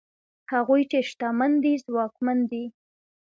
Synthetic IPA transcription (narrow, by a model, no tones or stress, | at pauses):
haɣujt͡ʃeʃt̪amand̪izwɑkmand̪i